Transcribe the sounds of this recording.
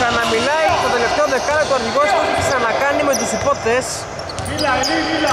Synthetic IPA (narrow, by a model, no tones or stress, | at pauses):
sɐnɐmilɐiɐt̪o̞t̪e̞le̞ft̪eoðe̞kɐlet̪oɐɾçiɣost̪ot̪it̪i̥sɐnɐkɐnime̞t̪usipo̞θes